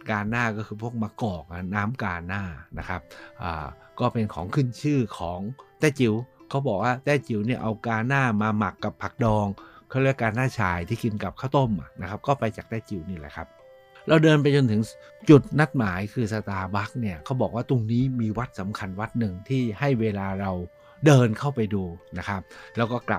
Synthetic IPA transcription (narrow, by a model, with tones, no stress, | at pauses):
kaː˧nːaː˥˩kɔː˥˩kʰɯː˧pʰu˥˩ək̚maː˧kɔː˨˩k̚ʔa˨˩naː˦˥mkaː˧nːaː˥˩na˦˥kʰa˦˥p̚ʔa̰ː˨˩ | kɔː˥˩pe˧nkʰɔː˩˦ŋkʰɯ˥˩˨nt͡ɕʰɯː˥˩kʰɔː˩˦ŋt̪ɛː˥˩t͡ɕi˨˩˦wkʰa˦˥wbɔː˨˩k̚waː˥˩t̪ɛː˥˩t͡ɕi˨˩˦wni˥˩ɐʔa˧wkaː˧naː˥˩maː˧ma˨˩kːa˨˩pʰːa˨˩k̚dɔː˧ŋkʰa˥˩˨ɾɯ˥˩˨kaː˧nːaː˥˩t͡ɕʰaː˧jt̪ʰiː˥˩ki˧nka˨˩p̚kʰaː˥˩wt̪o˥˩mʔa̰˨˩na˦˥kʰa˦˥p̚kɔː˥˩pa˧jt͡ɕaː˨˩k̚t̪ɛː˥˩t͡ɕi˨˩wniː˥˩lɛ̰ː˨˩kʰa˦˥p̚ | ɾa˧wdɤː˧npa˧jt͡ɕo˧nt̪ʰɯ˩˦ŋ | t͡ɕu˨˩t̪̚na˦˥t̪̚maː˩˦jkʰɯː˧sa˧t̪aː˧ba˦˥k̚ni˥˩ɐkʰa˦˥wbɔː˨˩k̚waː˥˩t̪o˧ŋniː˦˥miː˧wa˦˥t̪̚sa˩˦mkʰa˧nwa˦˥t̪̚nɯ˨˩ŋt̪ʰiː˥˩ha˥˩jweː˧laː˧ɾa˧w | dɤː˧nkʰa˥˩wpa˧jduː˧na˦˥kʰa˦˥p̚lɛː˦˥wkɔː˥˩kla̰˨˩